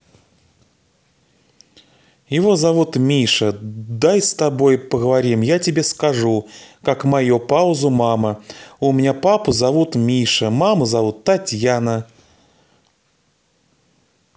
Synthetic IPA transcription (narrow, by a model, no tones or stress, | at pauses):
jɪvo̞zɐvut̪mʲiʂəd̪ajst̪ɐbo̞jpəɡəvɐɾʲimjatʲɪbʲe̞skɐʐukakmɐjupaʊzʊmaməʊmʲɪnʲapapʊzɐvut̪mʲiʂəmaməzɐvut̪ːɐtʲjanə